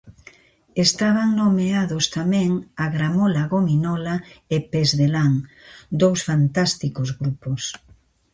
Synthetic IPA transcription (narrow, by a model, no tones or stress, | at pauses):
est̪aβaŋnomeaðost̪amẽŋaɣɾamolaɣominɔlaepezðelaŋd̪owsfant̪ast̪ikozɣɾupos